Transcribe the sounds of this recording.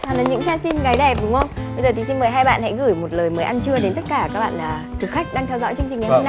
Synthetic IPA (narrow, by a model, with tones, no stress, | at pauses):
aː˨˩na˨˩ɲɨ̰˧˥ŋt͡ɕaː˧si˧nɣaː˨˦jɗɛ˨˩p̚ɗʊ˨˦ŋ͡mxə˧wŋ͡mɓə˧jzə˨˩t̪i˨˦t̪i˧məː˨˩jɦaː˧jɓa̰ː˧˨nha̰˧˥jɣɨ˧˩jmo˨˩t̚ləː˨˩jməː˨˦jʔa˧nt͡ɕɨ˧əɗe˨˦nt̪ə˦˥t̚kaː˧˩kaː˦˥k̚ɓa̰ː˧˨nlaː˨˩ | k̪ɨ˨˩xa˦˥jk̟̚ɗaː˧ŋt̪ʰɛ˧wzɔ̰˧˥jt͡ɕɨ˧əŋt͡ɕï˨˩ŋːa˨˦na˧